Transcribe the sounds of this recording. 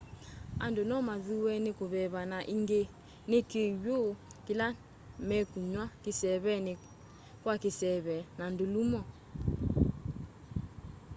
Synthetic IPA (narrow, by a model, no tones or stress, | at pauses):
a̰ndonɔmaðuwɛnekoβɛβanaʔiŋɡe | nekeɥokila | mɛkuɲwakisɛβɛne | kwakisɛβɛnandulumɔ